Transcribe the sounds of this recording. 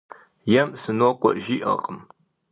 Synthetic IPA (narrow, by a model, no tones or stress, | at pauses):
jɛmsɨnoqʷʼɔʔʒiːʔɐ̰qʼəm